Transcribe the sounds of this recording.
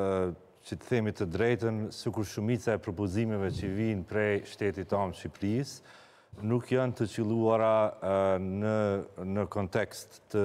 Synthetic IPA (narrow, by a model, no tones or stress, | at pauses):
t͡ʃət̪θɛmit̪əd̪ɾɛjt̪ənsəkuɾʃumit͡saɛpɾɔpɔzimɛvɛt͡ɕəvinpɾɛʃt̪ɛt̪it̪amʃipɾis | nukjant̪ət͡ʃilˠuaɾa | ənəkɔnt̪ɛkst̪ːə